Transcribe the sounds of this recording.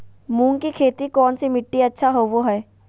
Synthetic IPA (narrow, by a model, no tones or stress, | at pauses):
mũːŋkikʰeːt̪ikɔːnsimɪʈːiɐtːʃʰaɦoːʋoɦɛː